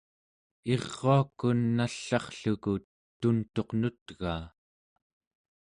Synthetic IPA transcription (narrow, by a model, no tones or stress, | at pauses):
eʁːoakːunːaɬːɑχɬuku | t̪unt̪o̞qnut̪ɣaː